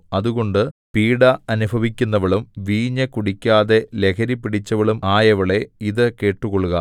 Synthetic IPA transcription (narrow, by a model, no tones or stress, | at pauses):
ɐðuɣo̞ɳɖɨpiːɽɐɐnubʱɐʋikʲːunːɐʋɐɭumʋiːɲːɐkuɽikʲːaːðe̞le̞kʰɐɾipːiɽit͡ɕːɐʋɐɭumaːjɐʋɐɭe̞iðɨke̞ːʈːuɣoɭuɣɐ